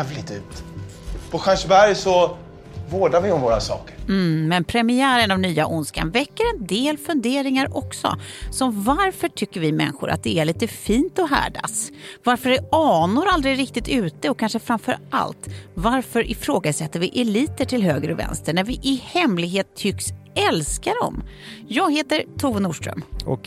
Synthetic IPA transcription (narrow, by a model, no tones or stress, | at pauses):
vlɪt̪ʉ̟ːt̪ | pʰɔɧanʂbæɾjsɔ | voːɖaɾvɪɔmvoːɾasɑ̰ːkəɾm̩mɛnpʰɾɛmɪæːɾənavnyːaʔʊnska̰nvɛkːəɾɛnd̪eːlfɵnd̪eːɾɪŋaɾʔɔksɔ̰sɔmvaɾfœʈʰʏkːəɾvɪmɛ̰nːɧʊ̰ɾʔa̰t̪̚d̪ɛæɭiːt̪əfiːnt̪ɔɦæ̰ːɖa̰svaɾfəɖɛɑːnʊɾald̪ɾɪɾɪkt̪ɪt̪ʉ̟ːt̪əɔkʰːanʂəfɾamfœɾʔa̰lt̪vaɾfœɾʔɪfɾoːɡasɛt̪ːəɾvɪʔɛliːt̪əʈʰɪlɦøːɡɾəɔvɛ̰nst̪əɳæɾvɪʔɪhɛmlɪɡɦeːt̪ʰːʏkːsɛlskaɖɔ̰mjɑːɡheːt̪əɾt̪ʰuːvənuːʂʈɾœ̰m